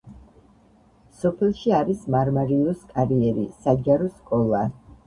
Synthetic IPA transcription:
sɔpʰɛlˠʃiaɾismaɾmaɾiɔskʼaɾiɛɾḭsad͡ʒaɾɔskʼɔlˠa

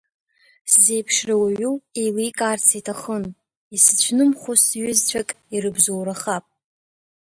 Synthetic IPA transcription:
szejpʰʂrawaɥuejlijkʼaːrt͡sʰitʰaχən | isɨt͡ɕʷʰnɨmχʷosɥʏzt͡ɕʷʰakʼ | iɾɨbzowɾaχapʼ

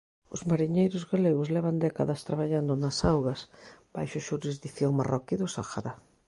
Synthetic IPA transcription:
ʊ̰zmaɾiɲejɾʊzɣaleɣʊzlɛβ̞and̪ɛkaðɐst̪ɾaβaʎand̪ʊnɐsawɣɐsb̥ajʃʊʃuɾizðiθjoŋmarɔkiðʊsaxa̰ɾa

